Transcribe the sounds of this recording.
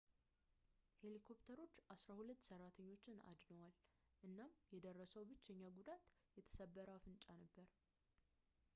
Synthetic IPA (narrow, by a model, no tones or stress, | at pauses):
he̞likʰo̞pt̪ʰəɾo̞t͡ʃːasɾahulət̪ːsərːat̪ʰəɲːo̞t͡ʃːɪna̰d̪nəwal | ʔɨnːamjɛd̪ərːəsəwbɨt͡ʃːəɲːaɡud̪at̪jɛt̪ʰə̥səbːəɾawfɨnt͡ʃʼanəbːəɾ